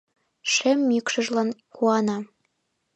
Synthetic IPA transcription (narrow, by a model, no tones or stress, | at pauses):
ʃemːykʃɤ̆ʒlɑnkuɑnɑ